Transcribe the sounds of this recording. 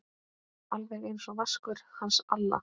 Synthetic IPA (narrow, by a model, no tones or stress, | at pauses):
alvɛɣejnsɔvaskʏɾ̥hansalːa̰